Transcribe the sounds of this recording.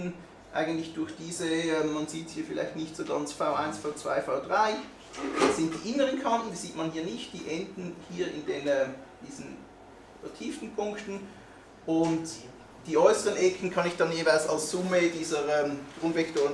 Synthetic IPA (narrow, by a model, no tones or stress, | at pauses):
n̩ | ʔa̰ɪɡən̩tlɪçd̥ʊɐçd̥iːzəɛːmːɑnziːthiːɐfɪla̰ɪçtnɪçtsoːɡɑnt͡sfaʊʔaɪnsfaʊt͡sv̥a̰ɪfaʊd̥ʁaɪ | d̥ɑz̥ɪnt̚d̥iːʔɪnəʁənkʰɑntn̩d̥iːz̥iːtmɑnhiːɐnɪçt̚d̥iːʔɛndn̩hiːɐɪ̰ndenɛːmd̥iːzn̩ | fɛɐtʰiːftn̩pʰʊŋktn̩ | ʔʊnt | d̥iːɔʏsəʁənʔɛkʰən̩kʰɑnɪçd̥ɑnjeːvaɪlsɑ̰lsz̥ʊmədiːzəɛːmɡ̥ʁʊnvɛktoːʁə